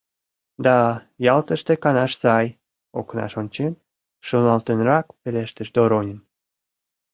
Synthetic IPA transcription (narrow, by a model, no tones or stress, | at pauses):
d̪ɑ | jɑlt̪əʃt̪ekɑnɑʃsɑj | o̰knɑ̰ʃonʲt͡ɕen | ʒ̥unɑlt̪enrɑkpeleʃt̪əʃd̪oɾonʲən